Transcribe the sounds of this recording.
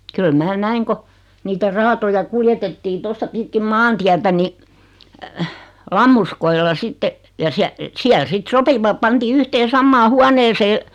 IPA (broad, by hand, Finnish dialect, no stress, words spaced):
kyl mæː næiŋ ko niːtæ rɑːtojɑ kuljetetːiː tostɑ pitkim mɑːntiætæ ni lɑmːuskoilːɑ sitːe jɑ siæ siæl sit sopiʋɑp pɑntiː yhteːn̞ sɑmːɑː huɑneːseː